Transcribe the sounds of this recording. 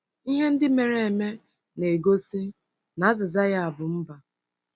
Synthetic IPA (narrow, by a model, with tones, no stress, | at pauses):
i˦ɦe˦n̩˦dɪ˦me˨ɾe˨e˨me˦ | ne˨ɡo˦si˦ | na˨˦zɪ˨za˦ja˦a˨bʊ˨m̩˦ba˨